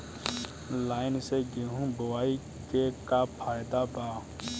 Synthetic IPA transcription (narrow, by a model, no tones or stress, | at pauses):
laːɪnseɡeɦũbəwaːi | kekapʰaːjd̪abaː